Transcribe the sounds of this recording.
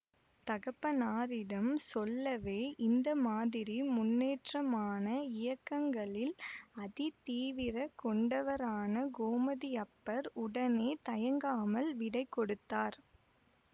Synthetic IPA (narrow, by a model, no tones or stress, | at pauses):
t̪ɐɣɐpːɐnaːɾɪɽɐmsɔlːɐʋeːʔɪnd̪ɐmaːðɪɾimʊnːeːʈrɐmaːnɐɪjɐkːɐŋɡɐɭɪlɐðɪt̪iːʋɪɾɐkɔɳɖɐʋɐɾaːnɐɡoːmɐðɪɐpːɐɾʊɽɐneːt̪ɐjɐŋɡaːmɐlʋɪɽɐɪkːɔɽɯt̪ːaːɾ